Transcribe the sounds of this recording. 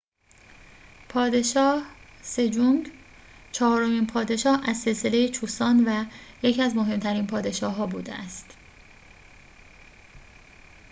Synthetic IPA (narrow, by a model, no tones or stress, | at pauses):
pʰɒːd̪e̞ʃɒːhse̞d͡ʒuŋɡ | t͡ʃʰɒːɾomiːnpʰɒːd̪e̞ʃɒːhæzse̞lse̞le̞jet͡ʃʰuːsɒːnvæje̞cʰiæzmo̞ɦe̞mt̪ʰæɾiːnpʰɒːd̪e̞ʃɒːɦɒːbṵːd̪ḛʔæst̪